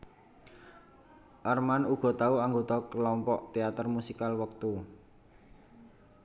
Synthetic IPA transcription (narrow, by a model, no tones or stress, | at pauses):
ʔərmanuɡ̥ɔ̤t̪auaŋɡot̪ɔklɔmpɔʔt̪eat̪ərmusikalwək̚t̪u